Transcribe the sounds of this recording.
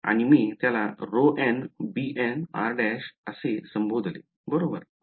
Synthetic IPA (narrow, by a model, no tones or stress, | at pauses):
a̰ñimiːt̪jalaɾoʔenbiʔena̰ɾɖɛɕəsesəmbod̪ʱlḛ | bəɾobəɾ